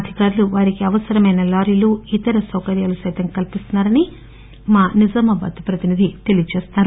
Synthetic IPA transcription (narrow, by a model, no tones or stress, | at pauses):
d̪ʱikaːɾluʋaːɾikiɐʋɐsɐɾɐmɐjnɐlaːɾiluit̪ɐɾɐsɐwkɐɾjaːlusɐjt̪ɐmkɐlpist̪unːaːɾɐni | maːnid͡ʒɐmɐbɐ̰t̪pɾɐt̪inid̪ʱit̪e̞lijɐt͡ʃeːst̪unaːɾu